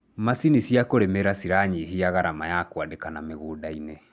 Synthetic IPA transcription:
masinisiakoɾɛmɛɾasiɾaɲiɦiaɣaɾamajakwadekanameɣoːdaine

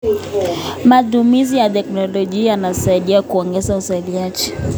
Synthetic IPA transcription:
matumizijatɛknɔlɔʄiajanasaiɗiakuɔŋɡɛzausailiad͡ʒi

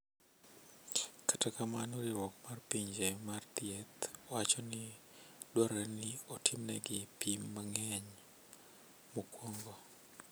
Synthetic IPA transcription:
kḁtakamanoɾiɾwɔkmarpiɲd͡ʒemart̪jet̪wat͡ʃɔnɪ | dwaɾɛnɪɔtʰɪmnɛ̰ɡɪpimːaŋɛɲ | mokwoŋɡo

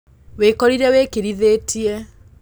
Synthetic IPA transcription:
wekɔɾiɾɛwekeɾiðetʰiɛ

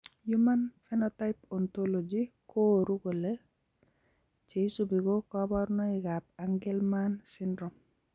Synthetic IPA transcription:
jumanfɛnɔtajpɔntolod͡ʒikoɾukole | t͡ʃesubiɡokɔbɔɾnɔiɡap̚aŋɡɛlmansindɾɔm

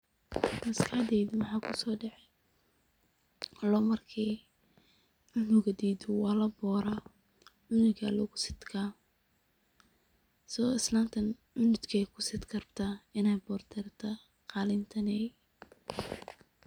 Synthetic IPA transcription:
mɐskʰaːd̪ɛjd̪mɑħɑːkʰʊsɔːɖɛʕɛ | lɔːmɐrkʰi | ʕʊnʊɣɐd̪iːd̪ʊwɑːlɐbɔːɾɐ | ʕʊnɪɣɐ̰lɔːɣʊsɪ̥t̪kʰa | sɔɪslaːmt̪ʰɐnʕʊnʊt̪kʰɛjkʰʊ̥sɪt̪kʰɐrbt̪ʰɐɪnɛjbɔːrt̪ʰɛrt̪ʰɐ | qɑːlɪnt̪ʰɐnɛj

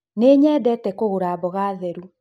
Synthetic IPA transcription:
neːɲɛːdɛtɛkoɣoɾaːbɔɣaːðɛɾu

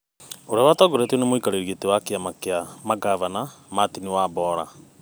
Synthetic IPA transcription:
oɾeawatɔɡɔɾɛtjonemoikaɾeɾietewakeamakeamaɡavanamatiniwaːbɔːɾa̰

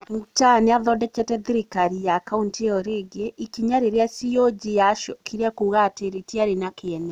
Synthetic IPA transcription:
mutaneaðɔdɛt͡ʃɛtɛðiɾikaɾijakaunteɔɾeɡeʔikiɲaɾeɾasiɔd͡ʒijaʃɔkʰiɾeakuːɣaːteɾetiaɾenakeɛnɛ

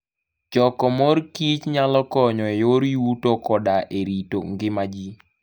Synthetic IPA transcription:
d͡ʒɔkɔmɔrkit͡ʃɲalɔkɔɲɔejoɾiutokɔdaʔeɾito̰ŋɡɪmad͡ʒi

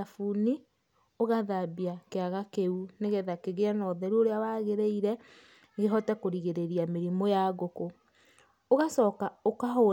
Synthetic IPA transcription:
afuni | oɣaðabiakeaɣakeuneɣeðakeɣeanɔðɛɾuoɾeawaːɣeɾeiɾɛ | ɣeɦɔtakoɾiɣeɾeɾiameɾimojaɣoko | oɣasɔːkaokaɦo

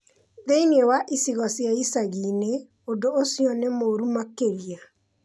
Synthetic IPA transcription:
ðeiniewaʔisiɣɔsjaisaɣine | odoːsjɔnemoɾumakeɾia

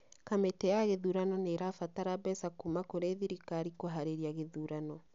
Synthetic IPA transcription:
kametɛjaɣeðuɾanɔneɾafataɾabɛsakumakoɾeðiɾikaɾikoɦaɾeɾiaɣeðuɾanɔ

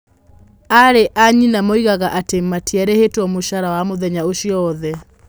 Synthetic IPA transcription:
aɾeʔaɲinamɔiɣaɣaʔatemːatiɛɾehetwɔmoʃaɾawamoðɛɲaoʃjɔːðɛ

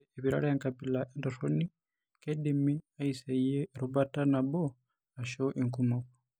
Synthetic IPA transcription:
eβiɾa̰ɾajaŋkabilaʔendoɾoni | kedimiaisaieɾuβatanabo | aʃoʔiŋkumoku̥

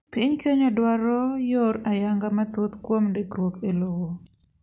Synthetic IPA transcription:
pɪɲkeɲadwaɾɔjoɾajaŋɡamat̪ot̪kwomdekɾwokelowo

